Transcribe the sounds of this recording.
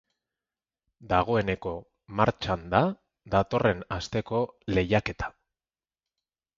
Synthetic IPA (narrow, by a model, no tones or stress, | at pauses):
d̪aɣ̞o̞e̞ne̞ko̞ | maɾt͡ʃand̪a | d̪at̪o̞re̞nast̪e̞ko̞le̞jake̞t̪ʰḁ